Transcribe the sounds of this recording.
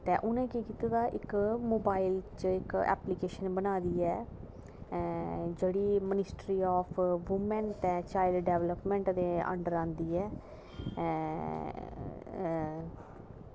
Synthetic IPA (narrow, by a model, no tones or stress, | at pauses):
t̪eːʔʊnẽːkiːkiːt̪aːd̪aːʔɪkmoːbaːɪlt͡ʃəɪkɛ̰ːplikeːʃənbənaːd̪iːɛː | d͡ʒeːɽiːmənɪsʈɾiːɔːpʰʋʊmɛnt̪ɛ̃ːt͡ʃaːɪlɖɖɛːʋləpmɛ̃ɳʈd̪eːə̰̃ɳɖəɾãːnd̪iːɛː